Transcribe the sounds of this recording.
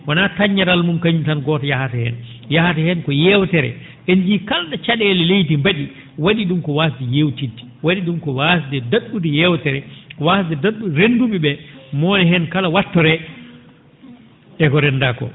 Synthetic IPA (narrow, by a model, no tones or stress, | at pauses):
wanataɲːaɾalmumkaɲutanɡɔːtajahatɛhɛ̰n | jahatɛhɛnkɔjɛwtɛɾɛ̰ | ʔend͡ʒiːkaldat͡ʃaɗɛlɛlejtimbaɗi | waɗiɗumkɔwasdɛjewtitːi̥waɗiɗumkɔwasdɛdaɗːudijɛwtɛɾɛkɔwasdɛdaɗːuɾenduɓiɓɛmɔːnɛhɛnkalawatːɔɾɛ | ɛkɔɾɛndakɔ̰